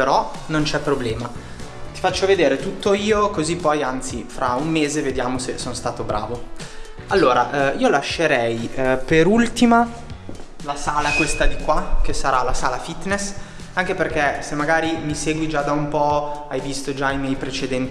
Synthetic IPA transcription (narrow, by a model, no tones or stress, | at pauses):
peɾɔnont͡ʃɛpːɾoblɛːma | t̪i̥fat͡ʃːoved̪eːɾet̪ut̪ːoiːokozipːɔjant̪sifɾaumːeːzeved̪jaːmosesonst̪aːt̪obɾʔa̰ːvo | alːoːɾa̰ʔiːolaʃːeɾɛjpeɾult̪ima | lasaːlakwest̪ad̪ikwak̟esaɾalasaːlafit̪nes | aŋk̟eperkɛsemːaɡaːɾimiseːɡwid͡ʒad̪aumpɔajvist̪od͡ʒaimjɛjpɾet͡ʃed̪ɛnt̪